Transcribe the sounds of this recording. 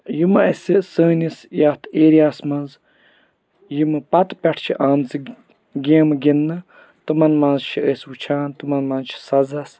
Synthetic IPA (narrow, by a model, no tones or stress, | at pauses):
jimɐɐsʲisəːnisjat̪ʰeːɾijaːsmɐnz | jimɨpɐt̪pʲɐʈʰt͡ʃʰiʔaːmt͡si | ɡʲẽːmɨɡinːɨ | t̪ɨmɐnmɐnzt͡ʃʰieːswut͡ʃʰaːnt̪ɨmɐnmɐnzt͡ʃʰi̥sɐzɐs